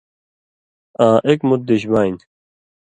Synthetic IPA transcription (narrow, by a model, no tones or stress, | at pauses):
ãːʔekmut̪̚d̪eɕ̬baːin